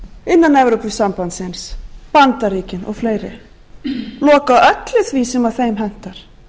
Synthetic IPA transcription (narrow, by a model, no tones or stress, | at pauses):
ɪnːanɛvɾowpɪsampant̪sɪnspant̪aɾiːcɪnʔɔ̰ɣfleːjɾɪ̰ | lɔːkaʔœt̪lɪθvisɛmaðθejmɦɛn̥t̪aɾ̥